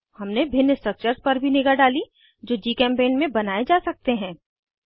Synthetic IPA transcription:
hɐmnebʱɪnːəsʈək̚t͡ʃəɾspɐɾbʱinɪɡəɾɖaːli | d͡ʒoːd͡ʒiːkɛ̃ːmpeːnmẽbɐnaːed͡ʒaːsɐk̚t̪eɦɛ̃ː

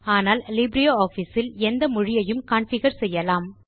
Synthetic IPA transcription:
aːnaːllɪbɾɪjoːoːfisɪlɛnd̪ɐmʊɻɪjɐjɯmkaːɳfɪɣɐɾsɛjːɐlaːm

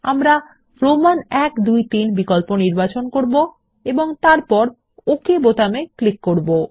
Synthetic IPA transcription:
a̰mɾa | fɾomanɛkd̪ujt̪inbikɔlponiɾbat͡ɕonkoɾbo | eboŋt̪aɾpɔɾ | okebot̪ameklikːoɾbo

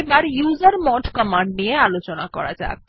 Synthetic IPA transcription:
baɾjuːzəɾmɔʈkəmãɳɖnijealot͡ɕonakɔ̰ɾa̰d͡ʒa̰k

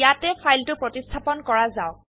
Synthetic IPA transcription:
jatɛpʰajltʊpɹɔtistʰapɔnkɔɹazaʊ

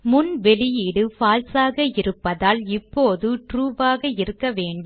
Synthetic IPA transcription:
mʊnʋɛɭɪjiɽɯfaːlsaːɣɐɪɾɯpːɐðaːlɪpːoːðɯʈɾuːʋaːɣɐɪɾɯkːɐʋeːɳɖɯ

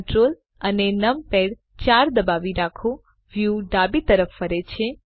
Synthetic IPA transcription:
ʈɾol | ənenəmpeɽ | t͡ʃaɾd̪əbaʋiɾakʰo | ʋjuɖabit̪əɾəfːəɾet͡ʃʰe

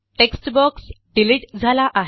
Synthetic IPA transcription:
ʈeksʈbɔksɖiliʈd͡zʱalaʔaɦ

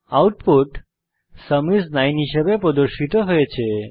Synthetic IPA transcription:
auʈpuʈ | səmisnajnɦiʃəbepɾɔd̪oɾʃit̪oɦɔjet͡ʃʰe

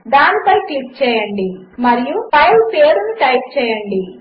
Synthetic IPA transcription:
d̪aːnipɐjklik̚t͡ʃɛːjɐɳɖi | mɐɾijupɐjlpeːɾunuʈɐjp̚t͡ʃɛːjɐɳɖi

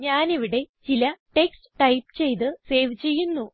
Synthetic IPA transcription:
ɲaːniʋiɽe̞t͡ɕilɐʈe̞ksʈɨ̥ʈɐjpt͡ɕe̞jt̪̬ɨse̞ːʋt͡ɕe̞jːunːu

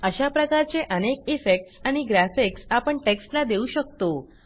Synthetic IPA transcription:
əɕapɾəkaɾt͡ɕeʔənek̚ifek̚ʈsaɽ̃iɡɾæfeksapəɳʈeksʈlad̪euɕək̚t̪o

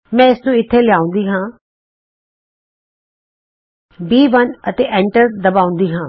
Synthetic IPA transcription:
mɛ̃ːɪsnũːɪt̪ʰːeːlɪjaːʊ̃nd̪iːɦãː | biːʋənət̪eːʔɛ̃ːɳʈəɾd̪əbaːʊ̃nd̪iːɦãː

